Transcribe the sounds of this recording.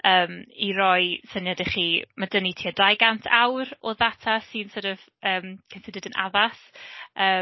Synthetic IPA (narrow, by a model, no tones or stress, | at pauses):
əːmiɾɔɨsənjadɛχimadənitʰiːadajɡantʰawɾɔðatʰasɪnsoɾɔv | əːmkʰənsɪdɨdənʔa̰vasəː